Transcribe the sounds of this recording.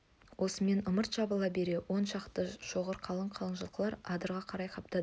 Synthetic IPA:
wʔo̞səme̞nʊməɾt̪ʒ̥ɑbəlˠɑbe̞ɾe̞wo̞nʃɑqt̪əʒ̥o̞ʁəɾqʰɑlˠəɴqʰɑlˠənʒəlˠqəlˠɑɾɑd̪əɾʁɑqʰɑɾɑjqʰɑp̚t̪ɑd̪ə

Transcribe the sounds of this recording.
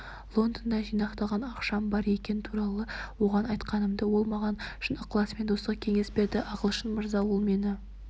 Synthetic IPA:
lˠo̞nd̪ənd̪ɑʒijnɑqt̪ɑʁɑnɑqʃɑmbɑɾe̞kʲe̞nɪt̪ʰuɾɑlˠəwo̞ʁɑnɑjt̪qɑnəmd̪əwo̞lˠmɑʁɑnʃənəqʰːlˠɑspe̞nd̪o̞sʁɑkʲʰe̞ŋe̞spe̞ɾd̪ɪʔɑʁəlˠʃənməɾzɑwolˠme̞nɪ

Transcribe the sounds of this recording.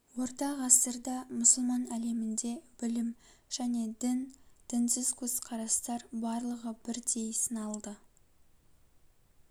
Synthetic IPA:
wo̞ɾt̪ɑʁɑsəɾd̪ɑmʊsəlˠmɑnæle̞mɪnd̪e̞b̥ɪlɪm | ʒ̥æne̞d̪ɪnd̪̥ɪnsɪzkʰɵz̥qʰɑɾɑst̪ɑɾbɑɾlˠəʁəbɪɾd̪ejsənɑlˠd̪ə

